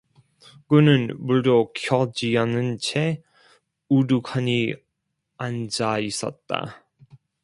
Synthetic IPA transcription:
kɯnɯnmuɭdokʰjʌd͡ʑianɯnt͡ɕʰe | udukʰaɲi | and͡ʑais͈ʌ̰t̚t͈a̰

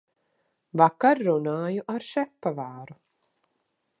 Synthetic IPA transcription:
vakaɾːunaːjuʔaɾʃɛfpavaːɾu

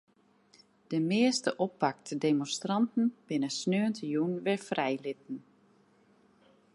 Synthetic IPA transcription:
d̥əmɪəstəʔɔpːak̚tədemonstrɑntn̩b̥ɪnəsnøːəntʰəjunʋɪɹfrɛjlɪt̚n̩

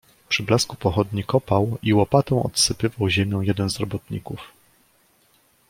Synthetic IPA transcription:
pʂɘblaskupɔxɔd̪ɲikɔpawiwɔpat̪ɔ̃w̃ɔ̰t̪sɘpɘvawʑemʲjɔ̃w̃jɛd̪ɛnzɾɔbɔt̪ɲḭkuf

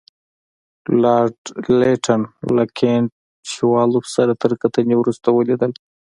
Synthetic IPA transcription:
lɑɾɖleʈʰanlakʰeɳʈ̚ | ʃiwɑlusaɾat̪əɾkat̪ənewɾust̪awəled̪əl

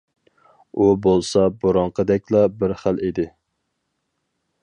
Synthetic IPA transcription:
ubolˠsɑboɾɑɴqʰəd̪ɛk̚ʲlɑbɪɾχæled̪ɪ

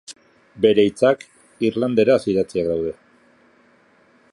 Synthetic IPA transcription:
be̞ɾejt͡sak | irland̪e̞ɾasiðat͡siakd̪awð̞e̞

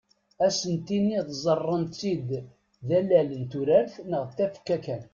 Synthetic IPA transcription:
æsənt̪inːiðzˤərˤːənt̪t͡sid̪ | ðælælənt̪uɾæɾθnəʁt̪ːæfkːækæn

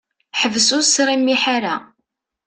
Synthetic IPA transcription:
ħəvsʊsɾimːiħaɾa̰

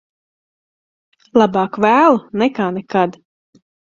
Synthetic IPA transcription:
lˠabɑːkvæːlˠunɛkaːnɛkad̪

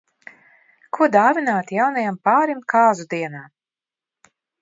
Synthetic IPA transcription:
kʰuɔd̪aːvinaːt̪jawnajampaːɾimkaːzud̪iɛnaː

